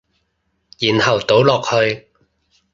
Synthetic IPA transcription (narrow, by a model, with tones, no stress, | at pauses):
jiː˨˩nhɐ˨˩wt̪o˨˥wlɔː˨k̚hɵ˧ɥ